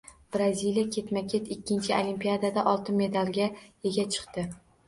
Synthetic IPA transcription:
b̥ɾazʲilijakʲʰe̞t̪makʲʰet̪ɪkʲːɪnt͡ʃʰɪolimpijad̪ad̪aʔɒlˠt̪ʰɪme̞d̪alˠɡʲaeɡʲat͡ʃʰɨ̥qt̪ɪ

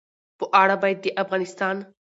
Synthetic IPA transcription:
pʊʔaːɽabajt̪̚d̪iʔɐfɣaːnɪst̪aːn

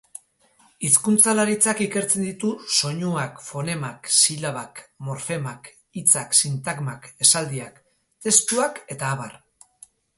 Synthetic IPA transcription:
iskunt͡salaɾit͡sakike̞ɾt͡se̞nd̪it̪uso̞ɲuakfo̞ne̞maksilaβakmo̞ɾfe̞mak | it͡saksint̪aɡmake̞sald̪iak | t̪e̞st̪uake̞t̪aːβar

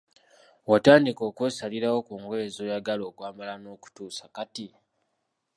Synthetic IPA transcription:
wataːndiko̞kwe̞ːsaliɾawo̞kuŋɡwe̞ːzo̞ːjaɡalo̞ːkwaːmalano̞ːku̥tuːsakati

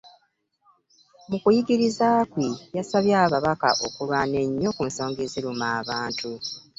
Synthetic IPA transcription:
mukujiɡiɾizaːkwijasaβjaːβaβaka̰ʔo̞̰kulwaːne̞ɲːo̞kunso̞ːŋɡeziɾumaːβaːntʰu

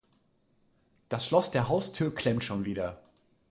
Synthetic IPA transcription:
d̥asʃlɔsd̥eːɐɦaʊstʰyːɐkʰl̥ɛmtʃoːnviːdɐ

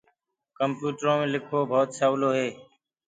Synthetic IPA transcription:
kəmpjuːʈɾõːmẽːlɪkʰoːbʱoːt̪saːwloːɦeː

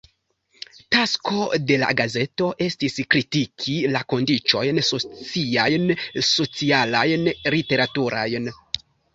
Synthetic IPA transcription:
tasko̞de̞la̰ɡaze̞to̞ʔe̞stiskɾitikʰilako̞ndit͡ʃo̞jnso̞t͡siajnso̞t͡sialajnlite̞ɾatuɾajn

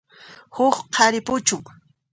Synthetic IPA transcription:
hʊχqʰɑɾɪpʊt͡ʃʊŋ

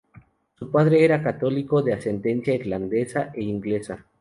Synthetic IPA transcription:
supaðɾe̞eɾakat̪o̞liko̞ðease̞nd̪e̞nsjaiɾland̪e̞saʔeiŋɡle̞sa

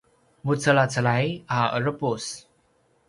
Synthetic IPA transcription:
mut͡səlat͡səlajaə̰ɾəpus

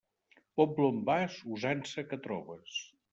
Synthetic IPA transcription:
pɔt̚blombazuzansəkət̪ɾɔβəs

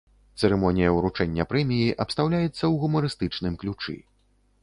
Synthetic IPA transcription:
t̪sɛɾɛmɔnʲijɐuɾut͡ʂɛnʲːɐpɾɛmʲijiʔɐpst̪awlʲajɛt̪sːɐwɣumɐɾɨst̪ɨt͡ʂnɨmklʲut͡ʂɨ̰

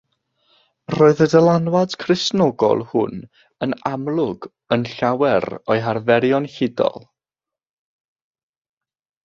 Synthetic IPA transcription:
roːɨðədəlˠanwad̥kʰrɪsnɔɡɔ̰lˠhʊn | ənamlˠʊɡ | ənɬawɛɾɔjɦarvɛɾjɔnhɪdɔ̰lˠ

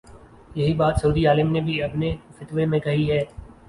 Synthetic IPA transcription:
jɐɦibaːt̪sɐuːd̪iaːləmnebʱiɐpnefɪt̪ʋemẽkɐɦiɦɛː

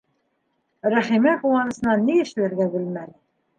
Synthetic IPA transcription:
ɾæχimæqulˠɑnɤ̆sɤ̆nɑniɘ̆ʃlæɾɡæbɘ̆lmæl

